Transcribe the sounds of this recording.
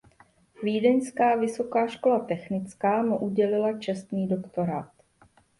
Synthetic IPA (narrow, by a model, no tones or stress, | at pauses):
viːdɛɲskaːvɪso̞kaːʃko̞lat̪ɛxnɪt͡skaːmuʔuɟɛlɪlat͡ʃɛst̪niːdo̞kt̪o̞ɾaːt̪